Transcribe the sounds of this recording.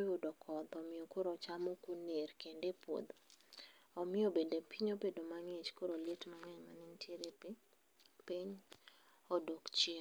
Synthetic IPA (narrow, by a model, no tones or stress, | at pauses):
jʊdɔkʰɔd̪ɔmɪɔkoɾɔt͡ʃamokuneɾkendepwo̰d̪ | ɔmɪɔbendepiɲopedomaŋet͡ʃkoɾoletmaŋɛɲmanɪntʰjeɾe | piɲ | ɔdokt͡ʃe